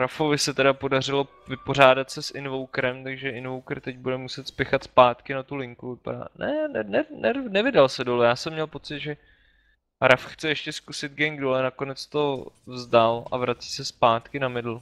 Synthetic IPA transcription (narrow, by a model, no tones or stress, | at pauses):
ɾafovɪsɛt̪ɛdapo̞dar̝ɪlo̞ | vɪpo̞r̝aːdat̪sɛsʔɪnvowkɾɛmt̪aɡʒɛɪnvowkrt̪ɛɟ̚budɛmusɛt̪spɛxat̪spaːt̪kɪnat̪ulɪŋkuvɪpa̰da̰ːnɛnɛnɛnɛnɛvɪdalsɛdolɛjaːsɛmːɲɛlpo̞t͡sɪd̪ʒɛ | ɾafxt͡sɛjɛʃcɛskusɪd̪̚ɡɛŋɡdolɛnakonɛt͡st̪o̞vzdala̰vɾat͡si̥ːsɛspaːt̪kɪnamɪdl̩